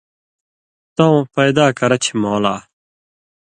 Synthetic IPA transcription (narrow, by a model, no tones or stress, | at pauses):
t̪ãũpɐjd̪aːkɐɾɐt͡ɕʰimoːlaː